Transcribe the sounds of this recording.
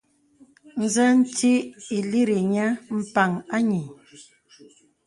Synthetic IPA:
n̩˨zə˦n̩˦te˦e˨li˦ɾe˨ɲa˦m̩˦pa˨ŋa˦ɲi˨

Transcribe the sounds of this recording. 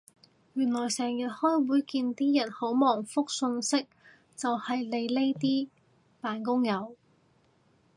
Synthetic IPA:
jyː˨˩nlɔː˨˩jsɛː˨˩ŋjɐ˨t̚hɔː˥jwuː˨˥jkiː˧nt̪iː˥jɐ˨˩nho˨˥wmɔː˨˩ŋfʊ˥k̚sɵ˧nsɪ˥k̚ | t͡sɐ˨whɐ˨jle˨˧jle˥jt̪iː˥ | paː˨nk̬ʊ˥ŋjɐ˨˧˥w

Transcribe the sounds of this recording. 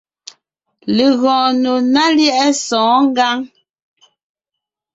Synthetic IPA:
le˨ɣɔ̃ː˨no˨na˦ljɛ˦ʔɛ˦sɔ̃ː˨˦ŋ˦ɡa˦ŋ

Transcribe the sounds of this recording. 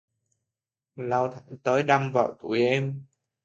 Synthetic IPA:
la˧wt̪ʰa˧˩t̪əː˨˦jɗa˧mva̰ː˨˩wt̪u˧˩jʔɛ˧m

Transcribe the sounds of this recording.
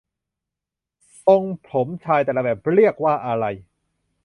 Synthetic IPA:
t̪o˧ŋpʰo˩˦mt͡ɕʰaː˧jt̪ɛː˨˩la˧bɛː˨˩p̚ɾi˥˩ək̚waː˥˩ʔa˧ɾa˧j

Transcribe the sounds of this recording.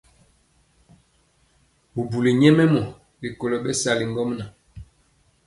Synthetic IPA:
bu˨bu˨li˨ɲɛ˦mɛ˦mɔ˨ | li˨ko˨lo˨ɓɛ˦sa˨li˨ŋɡɔ˦mna˨

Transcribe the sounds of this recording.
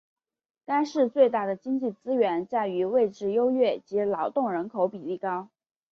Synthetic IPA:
t̪a˥nʂɻ̩˥˧t͡swe˥˧ɪt̪a˥˩d̪ə˩t͡ɕi˥ŋt͡ɕi˥˩t͡sɹ̩˥ɥɛ˧˥nt͡ɕja˥˩ɪy˧˥we˥˧ɪʈ͡ʂɻ̩˥˩jo˥ʊɥɛ˥˩t͡ɕi˧˥lɑ˧˥ʊt̪ʊ˥˩ŋɻə˧˥nkʰo˧˥ʊpi˨˩li˥˩kɑ˥ʊ

